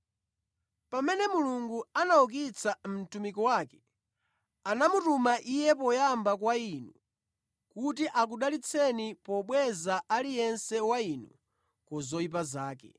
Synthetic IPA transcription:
pamɛnɛmuluŋɡuanauk̬it͡sʰam̩tumikɔwaːkɛ̥ | anamutumaʔijɛpɔjambak̬wainṵ | kut̬iʔak̬uɗalit͡sʰɛnipɔɓwɛzaʔalijɛnsɛwainṵ | kɔzɔip̬azaːkɛ̰

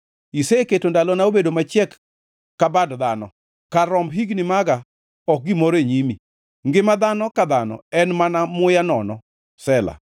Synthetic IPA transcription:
iseketondalɔnaobedomat͡ʃjɛkː | abadd̪anɔ | kaɾɔmbɦiɡnɪmaɡa | ɔk̚ɡimɔɾeɲimi | ŋɡɪmad̪anɔkad̪anɔ̰ɛnmanamʊjanɔnɔ | sɛla̰

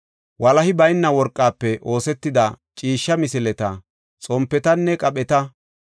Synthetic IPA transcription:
wɐlɐhɪbɐjnːɐwɔɾkʼːaːpːɛʔo̞ːsɛt̪ːɪd̪ɐt͡ʃʼiːʃːɐmɪsɪlɛt̪ɐ | t͡sʼɔmpːɛt̪ɐnːɛkʼɐpʼɛt̪ɐ

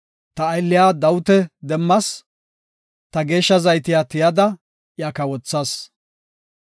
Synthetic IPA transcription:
t̪ɐːjlːɪjaːd̪ɐwʊt̪ɛd̪ɛmːɐs | t̪ɐɡe̞ːʃːɐzɐjt̪ɪjat̪ɪjɐd̪ɐ | jakɐwɔt͡sːɐs

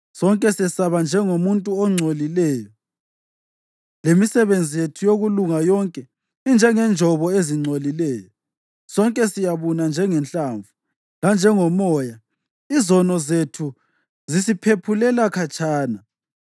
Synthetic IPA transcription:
sɔŋkʼɛsɛsaβand͡ʒʱɛŋomuntʼuɔŋ͡ǀʱolilɛːjɔ | lemisɛβend͡zʱijetʰujoɣuluŋajɔŋkʼɛ | ind͡ʒʱɛŋɛnd͡ʒʱɔβɔeziŋ͡ǀʱolilɛːjɔ | sɔŋkʼɛsijaβunand͡ʒʱɛŋɛnɬʼaɱvu | land͡ʒʱɛŋɔmɔja | izɔnɔzetʰu | zisipʰepʰulɛlakʰat͡ʃʰʼaːna

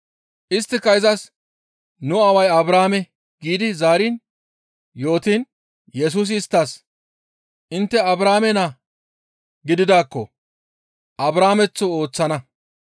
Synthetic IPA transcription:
ʔɪst̪ːɪkɐjɪzɐs | nʊɐwɐjɐbɾaːmɛ | ɡiːd̪ɪzaːɾin | jo̞ːt̪iːn | jɛs̬uːs̬ːst̪ːas | ʔɪnt̪ːɛɐbɾaːmɛna | ɡɪd̪ɪd̪aːkːɔ | ʔɐbɾaːmɛt͡sːʊo̞ːt͡sːɐnɐ

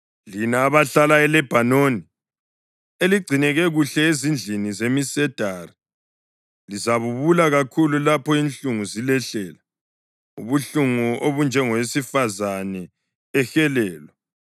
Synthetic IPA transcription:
linaːβaɬalaɛlɛb̥ʱanoni | eliɡ͡ǀʱinɛɣɛɣuɬɛezind͡ɮʱinizemisɛd̥ʱaːri | lizaβuβulaɣakʰululapɔint͡ɬuŋuzilɛɬɛːla | ṵβuɬuŋuoβund͡ʒʱɛŋɔwesifazanɛ | ɛxɛlɛːlwɛ

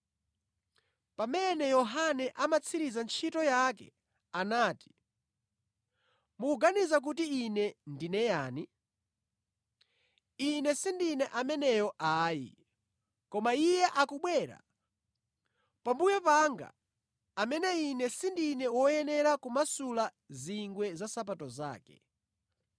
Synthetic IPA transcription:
pamɛnɛjɔɦanɛʔamat͡sʰiɾizant͡ʃʰitɔjakɛ̰ | anaːti̥ | mukuɡanizak̬utiːnɛndinɛjaːni | inɛsindinɛʔamɛnɛjɔʔaːjḭ | kɔmaijɛʔakuɓwɛːɾa̰ | pambujɔpaŋɡa̰ː | mɛnɛinɛsindinɛwɔjɛnɛɾakumasula | ziŋɡwɛzasap̬atɔza̰ːkɛ̥̰

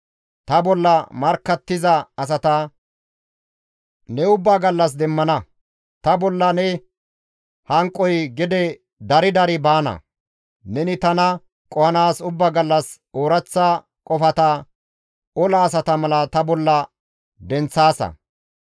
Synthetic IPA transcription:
t̪ɐbɔlːɐmɐɾkːɐt̪ːɪzɐɐs̬ɐt̪ɐ | nɛʊbːaːɡɐlːɐs̬d̪ɛmːɐnɐ | t̪ɐbɔlːɐnɛ | hɐŋkʼːɔjɡɪd̪ɛ | d̪ɐɾɪd̪ɐɾɪbaːnɐ̰ | nɛnɪt̪ɐnɐ | kʼɔhɐnaːsʊbːaːɡɐlːɐs | oːɾɐt͡sːa | kʼɔfɐt̪ɐ | ɔlɐːs̬ɐt̪ɐmɐlɐt̪ɐbɔlːɐ | d̪ɛnt͡sːaːsɐ̰

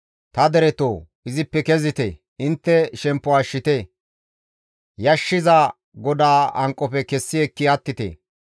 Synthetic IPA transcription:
t̪ɐd̪ɛɾɛt̪oː | ɪzɪpːɛkɛzɪt̪e | ɪnt̪ːɛʃɛmpːɔaʃːɪt̪e | jɐʃːɪzaː | ɡɔd̪aːɐŋkʼːɔpɛkɛsːɪɛkːɪɐt̪ːɪt̪ḛː

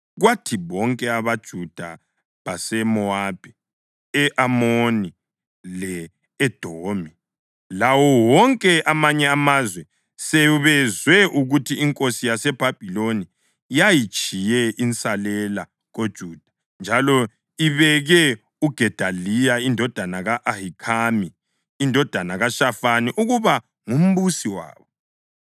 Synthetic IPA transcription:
ɣwatʰiβɔŋkʼɛaβad̥ʒ̥ʱud̥ʱa̰ | βasɛmɔab̥ʱɛ | ɛʔamoni | lɛː | d̥ʱoːmi | lawɔwɔŋkʼɛʔamaɲɛamazwɛ | sɛβɛzwɛʔuɣutʰiiŋkʼosijasɛb̥ʱab̥ʱiloni | jajit͡ʃʼijɛʔint͡sʼalɛla | ɣod̥ʒ̥ʱuːd̥ʱḁ | nd͡ʒʱalɔ | iβɛɣɛ | uɡ̥ʱɛd̥ʱalijaindʱɔd̥ʱanaɣaʔahikʰamiː | ndʱɔd̥ʱanaɣaʃafaniʔuɣuβa | ŋum̩βusiwa̰ːβɔ

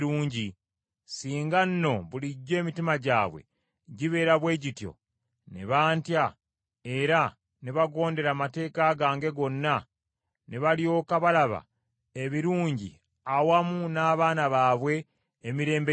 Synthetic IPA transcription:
ɾuːɲɟi | siːŋɡanːo̞βuliɟːe̞ːmitimaɟaːβwḛ | ɟiβe̞ːɾaβwe̞ːɟitjo̞̰ | nḛβaːntja | e̞ɾa | neβaɡo̞ːnde̞ɾamate̞ːkaɡaːŋɡe̞ɡo̞nːa | neβaljo̞ːkaβalaβa̰ | eβiɾuːɲɟḭ | awamunaːβaːnaβaːβwe̞ː | miɾe̞ːmbe

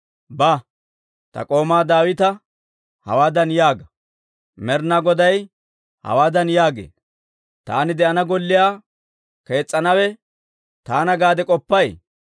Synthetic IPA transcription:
bɐ | t̪ɐ̰kʼo̞ːmaːd̪aːwɪt̪ɐ | hɐ̰waːd̪ɐnjaːɡɐ | mɛɾnaɡɔd̪ɐj | hɐ̰waːd̪ɐnjaːɡḛː | t̪a̰ːnɪd̪ɛʔɐnɐɡɔlːɪjaː | ke̞ːt͡sʼːɐnɐwɛ | t̪aːnɐɡaːd̪ɛkʼɔpːɐj

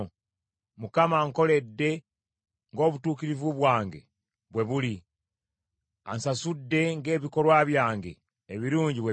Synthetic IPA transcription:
mukamaŋko̞le̞dːe̞ | ŋɡo̞ːβutuːkiɾivuβwaːŋɡe̞̰ | βwe̞βuli | a̰nsasudːe̞ŋɡe̞ːβiko̞lwaβjaːŋɡe̞̰ː | βiɾuːɲɟiβwe

